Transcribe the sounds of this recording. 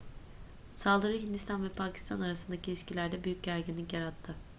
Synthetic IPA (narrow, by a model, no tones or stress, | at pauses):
salˠd̪ɯɾɯɦind̪ist̪ʰanvɛpʰacʰi̥st̪ʰanaɾasɯnd̪acʰilʲiʃcilʲæɾd̪ɛbyjyc̚ɟæɾɟinːʲicjaɾat̪ʰːɯ